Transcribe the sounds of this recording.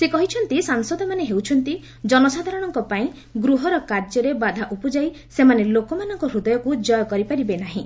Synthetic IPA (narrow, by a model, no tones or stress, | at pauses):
sekɔɦit͡ʃʰɔnt̪isaŋsɔd̪ʱɔmaneɦewt͡ʃʰɔnt̪i | d͡ʒɔnɔsad̪ʱaɾɔɽ̃ɔŋkɔpaĩ | ɡɾuɦɔɾɔkaɾd͡ʒɔɾebad̪ʱaʔupɔd͡ʒaj | semanelokɔmanɔŋkɔɾud̪ɔjɔkud͡ʒɔjɔkɔɾipaɾibenaɦĩ